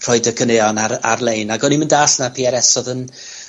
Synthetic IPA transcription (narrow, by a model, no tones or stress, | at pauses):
r̥ɔɨdəkʰəneɔnaa̰rlˠejnaɡɔniməndaːsnapʰiːɛɾɛsɔðən